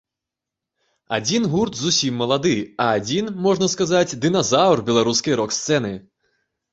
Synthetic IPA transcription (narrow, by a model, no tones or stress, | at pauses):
ad͡zʲinɣurt̪zusʲimːɐlˠad̪ɨɐːd͡zʲinmɔʐnɐskazat͡sʲd̪ɨnɐzawrbʲɛlˠaɾuskɐjɾɔkst̪sɛnɨ